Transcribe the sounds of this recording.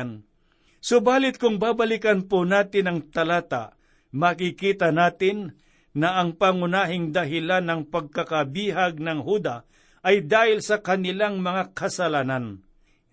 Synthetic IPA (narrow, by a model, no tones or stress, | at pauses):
n | sʊbaːlɪt̪̚kʊŋbaːbɐlɪkɐnponaːt̪ɪnɐŋt̪ɐlaːt̪a̰ | mɐkɪkiːt̪ɐnaːt̪ɪnː | ɐʔɐŋpaŋʊnaːɦɪŋd̪ɐɦɪlanːɐŋpɐɡ̚kɐkɐbiːɦɐɡ̚nɐŋhuːd̪ɐ | ʔɐjd̪aːhɪlsɐkɐnɪlaŋmɐŋakɐsɐlaːnan